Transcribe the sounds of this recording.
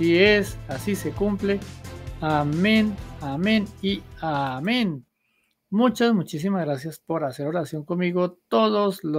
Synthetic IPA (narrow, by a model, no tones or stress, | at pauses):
iesasise̞kumpleamẽnamẽniamẽn | mut͡ʃazmut͡ʃis̬imazɣɾasjaspo̞ɾase̞ɾoɾasjo̞ŋkonmiɣot̪oðoslo